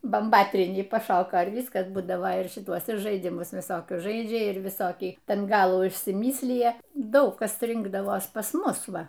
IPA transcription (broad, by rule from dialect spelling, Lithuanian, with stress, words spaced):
bɐmˈbɑːtʲrʲiːnʲiː pɐˈʃoːkoː ɪr ˈʋʲiːskɐs ˈbuːdɐʋoː ɪr ʃʲɪˈtuɔs ɪr ʒɐɪˈdʲɪmʊs ʋʲɪˈsoːkʲʊs ˈʒɐɪd͡ʒʲɛ ˈɪr ʋʲɪˈsoːkʲiː ˈtʲɛn ˈɡɑːlˠuː ɪʃʲsʲɪˈmʲiːsʲlʲɪjɛ ˈdɐʊk ˈkɐs ˈrʲɪŋɡdɐʋoːs pɐs ˈmʊs ˈʋɐ